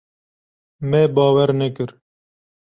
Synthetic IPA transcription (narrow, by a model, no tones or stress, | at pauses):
mebɑːwɛɾnɛkɨɾ